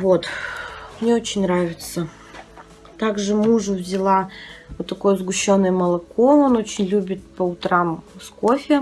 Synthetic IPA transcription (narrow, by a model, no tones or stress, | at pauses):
vo̞t̪mnʲeo̞t͡ɕɪnʲnɾavʲɪt̪sə | t̪aɡʐɨmuʐʊvʲzʲɪlˠavot̪ːɐko̞jəzɡʊɕːo̞nːɨjəməlˠɐko̞o̞no̞t͡ɕɪnʲlʲubʲɪt̪̚pəʊt̪ɾamsko̞fʲɪ